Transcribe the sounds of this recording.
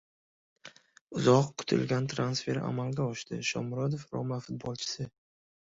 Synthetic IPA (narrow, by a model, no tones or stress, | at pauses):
ʊzɒqkʰʊ̥t̪ʰɪ̰lɡʲant̪ʰɾansfe̞ɾa̰malɡʲaɒʃt̪ɪʃɒmɾɒd̪ofɾɒ̰mafʊt̪̚bɒlˠt͡ʃʰɪ̥sɪ